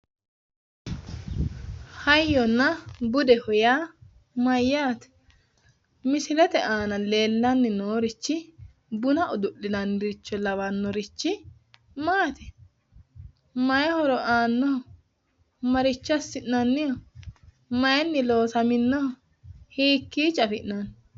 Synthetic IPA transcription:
hɐjːɔnːɐbʊd̪ɛhʊjaː | mɐjːaːt̪ɛ̥ | mɪsɪlɛt̪ɛʔaːnɐle̞ːlːɐnːɪnoːɾɪt͡ʃːɪ | bʊnɐʔɔd̪ʊʔːɪnɐnːɪɾɪt͡ʃːɔlɐwɐnːɔɾɪt͡ʃːɪ | maːt̪ɛ | mɐjɐhɔɾɔʔaːnːɔhɔ | mɐɾɪt͡ʃːɐsːɪʔnɐnːɪjɔ | mɐjɛnːɪlo̞ːsɐmɪnːɔhɔ | hiːkːiːt͡ʃʼɐfɪʔnɐn

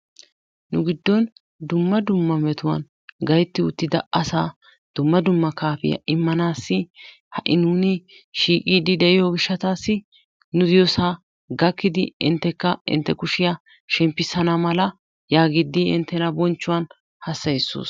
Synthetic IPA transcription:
nʊɡɪd̪ːɔn | d̪ʊmːɐd̪ʊmːɐmɛt̪ʊwɐ̰n | ɡɐjt̪ːɪʊt̪ːɪd̪ɐ̰ɐsaː | d̪̥ʊmːɐd̪ʊmːɐkaːfɪ̰jɐ̰ʔɪmːɐnaːsːɪ | hɐʔɪnuːnɪ | ʃiːkʼiːd̪ɪd̪ɛʔɪjɔɡɪʃːɐt̪aːsːɪ | nʊd̪ɪjɔsaː | ɡɐkːɪd̪ɪɪ̰nt̪ːɛkːɐɪ̰nt̪ːɛkʊʃɪjɐ | ʃɛmpːɪsɐnɐmɐlɐ | jaːɡɪd̪ːɪɪ̰nt̪ːɛnɐbɔnt͡ʃːʊwɐn | hɐsːɐjsːo̰ːs

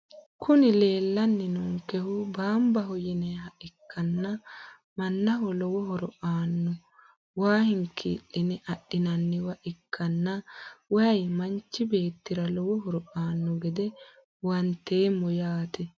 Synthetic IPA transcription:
kʰʊnɪle̞ːlːɐnːɪnɔŋkɛhʊbaːmbɐɦɔjɪnɛɦɐʔɪkːɐnːɐ | mɐnːɐɦɔlɔwɔɦɔɾɔʔaːnːɔ | waːhɪŋkʰḭːlːɪnɛʔɐɗːɪnɐnːɪwɐʔɪkʰːɐnːɐwɐɐjmɐnt͡ʃːɪbe̞ːt̪ːɪɾɐlɔwɔɦɔɾɔʔaːnːɔɡɛd̪ɛ | wɐnt̪ːeːmɔjaːt̪ɛ

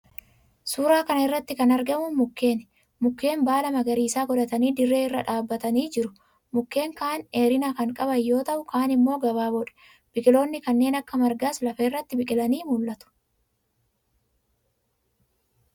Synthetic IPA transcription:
suːɾaːkɐnɐɪrːɐt̪ːɪkɐnɐɾɡɐmʊnmʊkːe̞ːn | mʊkːe̞ːmbaːlɐmɐɡɐɾiːsaːɡɔd̪ɐt̪ɐniːd̪ɪrːe̞ːɪrːɐᶑaːbːɐt̪ɐniːd͡ʒɪɾʊ̥ | mʊkːe̞ːŋkaːneːɾɪnaːkɐŋkʼɐbɐjːo̞ːt̪ɐʔʊkaːnɪmːo̞ːɡɐβaːbɔᶑɛ̥ | b̥ɪkʼɪlo̞ːnːɪkɐnːe̞ːnɐkːɐmɐɾɡaːslɐfɐɪrːɐt̪ːɪbɪkʼɪlɐniːmʊlːɐt̪ʊ̥

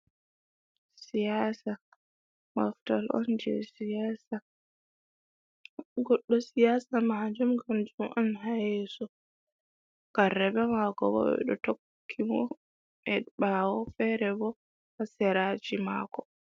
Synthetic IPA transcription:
sijasa | maftalɔ̰nd͡ʒɛ̰sijasa | ɡɔɗːɔsijasamad͡ʒumɡamd͡ʒumʔanɦajɛːsɔ | karːɛbɛmakɔbɔ̰ɓɛ̰ɗɔtokʰːimɔ | ʔɛɓawɔfɛɾɛbɔ | hasɛɾad͡ʒima̰kɔ

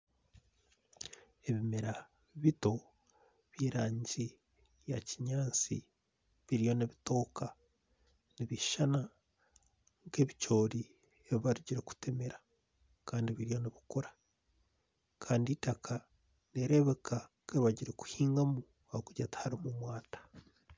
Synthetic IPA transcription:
e̞βimeɾa | βito̞ | βiːɾaːɲɟi | jaciɲaːnt͡sḭ | βiɾijo̞neβito̞ːka | niβiʃana | ŋɡe̞βit͡ʃo̞ːɾi | eβiβaɾuɟiɾe̞ku̥tʰemeɾḁ | kaːndiβiɾijo̞neβikoɾḁ | kʰaːnditakʰa | neɾe̞βe̞kʰaŋkeβaɟiɾeku̥hiːŋɡamu | ahokuɟathaɾimumwaːtḁ

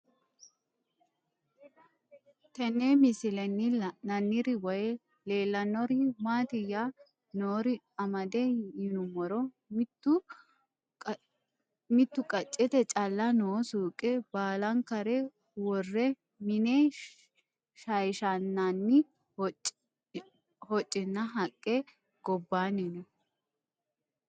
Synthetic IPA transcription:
t̪ɛnːeːmɪsɪlɛnːɪnɐnːɪɾɪwɔjɛ | le̞ːlːɐnɔɾɪmaːt̪ɪjːa | noːɾɪ | ɐmɐd̪ɛjɪnʊmɔɾɔ | mɪt̪ːʊ | mɪt̪ːʊkʼɐt͡ʃʼːɛt̪ɛt͡ʃʼɐlːɐnoːsuːkʼːɛbaːlɐŋkɐɾɛ | wɔrːɛ | mɪneː | ʃɐjʃanːanːɪ | hɔt͡ʃʼːɪnːɐɦɐkʼːɛ | ɡ̥ɔbːaːnɛnɛ

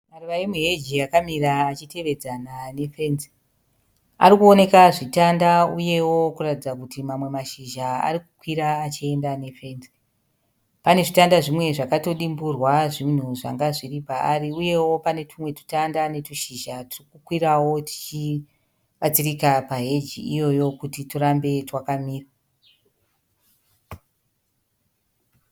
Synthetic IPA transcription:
maruʋaimuɦe̞d͡ʒiakamiraːt͡ʃite̞ʋe̞d͡zanane̞fe̞nzi | a̰rikuone̞kaʐitandauje̞wo̞kuratid͡zakutimamwe̞maʃiʒaa̰rikukwiɾaːt͡ʃiendane̞fe̞nzi | pane̞ʐitandaʐimwe̞ʐakato̞ɗimburwaʐin̤uʐaŋɡaʐiripaariuje̞wo̞pane̞tumwe̞tu̥tandane̞tuʃiʒatirikukwiɾawo̞ti̥t͡ʃi | ɓat͡sirikapaɦe̞d͡ʒḭijo̞jo̞kutituɾambe̞twakamiːra

